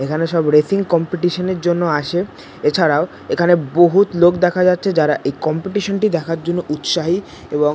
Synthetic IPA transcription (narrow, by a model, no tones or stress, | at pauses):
ekʰaneʃɔbɾesiŋkɔmpiʈiʃoneɾd͡ʑonːoaʃe | et͡ɕʰaɾao | ekʰaneboɦut̪lokd̪ɛkʰad͡ʑatːɕʰed͡ʑaɾaʔejkɔmpiʈiʃonʈid̪ɛkʰaɾd͡ʑonːoʔut̪ʃaɦi | eboŋ